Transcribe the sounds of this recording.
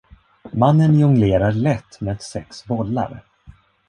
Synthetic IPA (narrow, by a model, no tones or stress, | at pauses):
manːənjɵŋleːɾaɾɭɛt̪ːmeːd̪sɛksbɔlːa̰ɾ